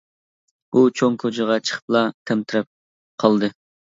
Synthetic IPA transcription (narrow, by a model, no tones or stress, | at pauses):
ut͡ʃʰoŋkʰod͡ʒɪʁɑt͡ʃʰə̥χʰə̥p̚lˠɑt̪ʰɛmt̪ʰɪɾɛp̚ | qʰɑlˠd̪ɨ